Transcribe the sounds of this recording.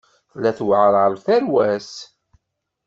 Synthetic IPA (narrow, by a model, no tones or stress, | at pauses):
flːæθwʕɾˤəlθæɾwæs